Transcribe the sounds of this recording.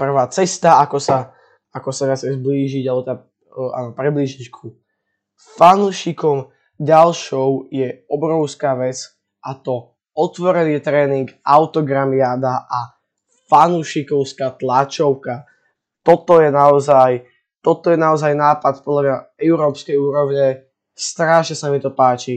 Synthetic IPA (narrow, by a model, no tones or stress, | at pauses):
pr̩ʋaːt͡sɛst̪aakɔsa | akɔsaʋɪat͡sɲɛzbliːʒiɟalɛbɔt̪ɛd̪a | a̰ːnɔpɾɛbliːʒickʰu | fanuʃikɔm | ɟalʃɔʊjɛɔbɾɔʊskaːʋɛt͡s | ʔat̪ɔ | ɔt̪ʋɔɾɛniɛt̪ɾɛːniŋɡʔaʊt̪ɔɡɾamiaːd̪aʔa | fanuʃikɔʊskaːt̪lat͡ʃɔʊka | t̪ɔt̪ɔjɛnaɔzaj | t̪ɔt̪ɔjɛnaɔzajnaːpat̪pɔd̪laɲaɛʊɾɔːpskɛjuːɾɔʊɲɛ | st̪ɾaʃɲɛsamit̪ɔpaːt͡ʃi